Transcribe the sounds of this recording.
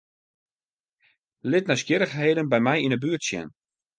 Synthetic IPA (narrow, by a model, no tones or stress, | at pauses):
lɪtnɛjskjɪɾəxɦeːdənbɛjmɛjinəbyətsjɛ̰n